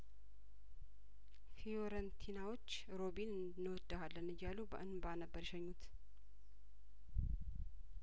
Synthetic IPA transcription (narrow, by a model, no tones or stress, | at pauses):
fijoɾənt̪ʰinawo̞t͡ʃː | ɾo̞binɨn | nːwɔd̪ʼːəhalːənɨjːalubə̰ʔɨnbanəbːəɾʃɛɲːut̪